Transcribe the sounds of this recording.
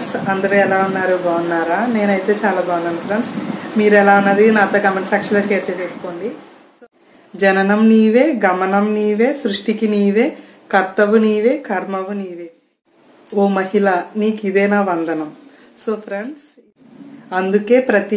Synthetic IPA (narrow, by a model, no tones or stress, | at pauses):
sɐnd̪ɐɾuɛlaːunːaːɾubaːunːaːɾaːne̞ːnɐjt̪e̞ːt͡ʃaːlaːbaːʋunːaːnupʰɾɐɳɖsmiːɾɛlaːunːɐd̪inaːt̪oːɡɐmensɐkʂɐloːt͡ʃeːɾt͡ʃɐt͡ʃeːsu̥ko̞ːɳɖi | s | d͡ʒɐnɐnɐmniːʋe̞ːɡɐmɐnɐmniːʋe̞ːsɾuʂʈikiniːʋe̞ː | kɐɾt̪ɐʋuniːʋeːkʰɐɾmɐʋuniːʋeː | oːmɐɦilɐniːkid̪ɛːnaːʋɐnd̪ɐnɐm | soːpʰɾɐɳɖs | ɐnd̪uke̞ːpɾɐt̪i